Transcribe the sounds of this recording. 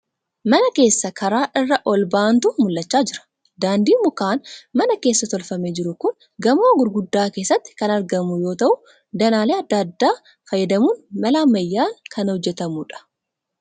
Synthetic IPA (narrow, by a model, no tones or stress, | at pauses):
mɐnɐke̞ːsːɐkʰɐɾaːʔɪrːɐʔɔlbaːnt̪ʊmʊlːɐt͡ʃːaːd͡ʒɪɾɐ̥ | d̪aːnd̪iːmʊkaːnmɐnɐke̞ːsːɐt̪ɔlfɐmeːd͡ʒɪɾʊkʊn | ɡɐmoːɡʊɾɡʊd̪ːaːke̞ːsːɐt̪ːɪ̥kɐnɐɾɡɐmʊjo̞ːt̪ɐʔʊ | d̪ɐnaːleːɐd̪ːad̪ːaː | fɐjːɐd̪ɐmuːnmɐlaːmɐjːaːŋkʰɐnhɔd͡ʒːɛt̪ɐmuːᶑɐ̥